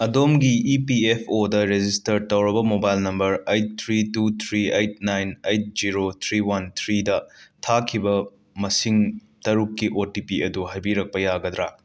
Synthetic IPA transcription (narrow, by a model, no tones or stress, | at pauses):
ɐdomɡiipiepʰodɐɾed͡ʒistɐɾtɐwɾɐbɐmobajlnɐmbɐɾejt̚t̪ʰɾitut̪ʰɾiejt̚najnejt̚d͡ʒiɾot̪ʰɾiwɐnt̪ʰɾidɐtʰakʰibɐ | mɐsiŋtɐɾukːiʔotipiɐduɦajbiɾɐk̚pɐjaɡɐd̪ɾa